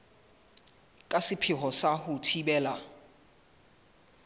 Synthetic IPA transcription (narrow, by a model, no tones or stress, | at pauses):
kʼasipʰiɦɔsahutʰiɓɛːla